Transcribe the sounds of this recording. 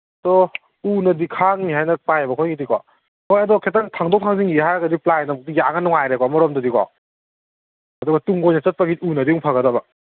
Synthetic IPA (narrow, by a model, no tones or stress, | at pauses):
dɔ | unɐdikʰaŋniɦajnɐpajebɐkʰojɡidikɔ | hojɐdɔkʰetaŋtʰaŋdɔk̚tʰaŋziŋiɦajaɡɐdiplajnamɔk̚tijaŋanːɔŋajɾekɔmɔɾɔmdɐdikɔ̰ | ɐduɡɐtuŋɡojnɐsɐt̚paɡiunɐdiuŋpʰaɡɐdɐbɐ